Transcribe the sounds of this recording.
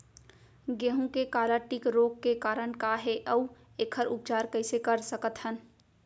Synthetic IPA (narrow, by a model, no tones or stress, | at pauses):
ɡeːɦũkekaːləʈikɾoːkkːekaːɾəɳkaɦeʔəu | eːkʰəɾʊp̚t͡ʃaːɾkəɪsekəɾsəkət̪hən